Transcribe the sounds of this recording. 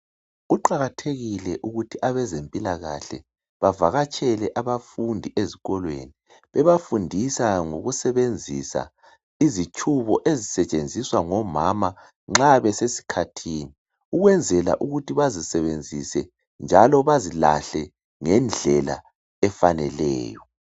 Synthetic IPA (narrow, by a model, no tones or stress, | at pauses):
ɣuǃaɣatʰeɣilɛʔuɣutʰiʔaβɛzempʼilaɣa̰ɬɛ | βavaɣat͡ʃʼʰɛlɛʔaβafundʱiʔeziɣɔlwḛni | βɛβafundʱisaŋoɣusɛβend͡zʱisa̰ | izit͡ʃʼʰuβɔʔezisɛt͡ʃʼend͡zʱiswaŋɔmama | ŋ͡ǁaβɛsesi̥kʰatʰiːni | uɣwɛnd͡zʱɛla̰ʔuɣutʰiβazisɛβend͡zʱisɛ | nd͡ʒʱalɔβazila̰ɬɛ | ŋɛnd͡ɮʱɛla̰ | ɛfanɛlɛ̰ːjɔ